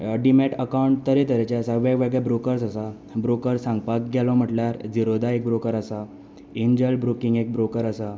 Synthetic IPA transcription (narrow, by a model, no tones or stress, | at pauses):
ɖimɛʈəkawɳʈ̚t̪əɾet̪əɾet͡ɕasaʋaɡʋeɡɭjabɾokəɾsasa | bɾokəɾsãŋɡ̚pak̚ɡʱɛlɔm̤əʈljaɾd͡ziɾod̪aek̚bɾokəɾəsa | iɲd͡ʑəlbɾokiŋɡek̚bɾokəɾəsa